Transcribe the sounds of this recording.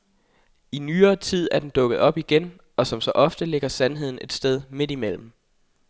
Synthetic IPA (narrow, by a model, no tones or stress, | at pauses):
inyːɐːt͡sʰið̞̰ˠæɐd̥end̥ɔ̽ɡ̥əð̞̩ˠɒ̽b̥iɡ̥en | ʔɒ̽sɒ̽msɒ̽ʔɒ̽fd̥əle̝ɡ̥ɐsænɦe̝ð̞̰ˠn̩e̝d̥sd̥eð̞ˠme̝d̥imel̰m̩